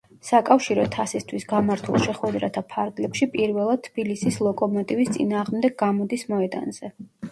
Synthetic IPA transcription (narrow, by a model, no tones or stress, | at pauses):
sakʼafʃiɾɔt̪ʰasist̪ʰwisɡamaɾt̪ʰṵlˠʃɛχwɛd̪ɾat̪ʰapʰaɾɡlɛpʃipʼiɾvɛlˠad̪̥̚t̪ʰb̥ilisislˠɔkʼɔmɔt̪ʼivist̪sʼḭnaːʁmd̪ɛɡ̚ɡamɔd̪ismɔɛd̪a̰nz̥ɛ